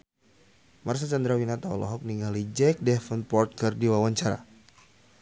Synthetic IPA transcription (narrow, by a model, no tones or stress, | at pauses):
mars̬at͡ʃand̪ɾawinat̪aɔ̰lʔɔ̰ɦɔk̚niŋalid͡ʒɛk̚dɛfənpɔrt̪̚kɨrdiwawaɲt͡ʃaɾa̰